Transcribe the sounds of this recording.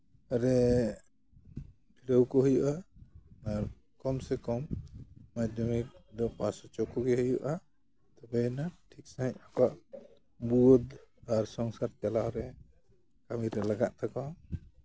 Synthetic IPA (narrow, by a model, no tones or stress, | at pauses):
aɾɛ | pʰiɾəwkɔhɯjuʔa | aɾ | kɔmsɛkɔmː | ad̪ɔmik̚d̪ɔpasɔt͡ʃɔkɔɡɛhɯjuʔa | t̪abajnaʈʰik̚sajt̚ɔkaʔ | buɔd̪aɾsɔŋsaɾt͡ʃalaɾɛ | kamiɾɛlaɡaʔt̪ʰaka